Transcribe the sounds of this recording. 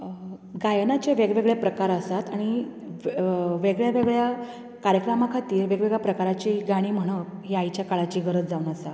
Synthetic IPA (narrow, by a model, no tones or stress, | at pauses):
ɡajənat͡ɕeʋeɡʋeɡɭjapɾəkaɾəsat̪aɽ̃i | ʋeɡɭjaʋeɡɭja | kaɾjəkɾamakʰat̪iːɾʋeɡʋeɡɭjapɾəkaɾat͡ɕiɡaɽ̃iːm̤əɽ̃əɦiajt͡ɕjakaɭat͡ɕiːɡəɾət͡sd͡zaunəsat̪